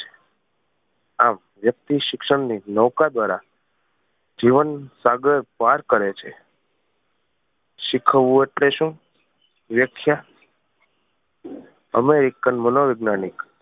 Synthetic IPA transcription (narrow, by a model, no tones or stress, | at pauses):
a̰m | ʋjək̚t̪iʃɪkʃəɳninəwkad̪ʋaɾa | d͡ʒiʋənsaɡəɾpaɾkəɾet͡ʃʰe | ʃɪkʰəʋũeʈleʃũ | ʋjəkʰja | ə̰meɾikənmənoʋɪɡnanik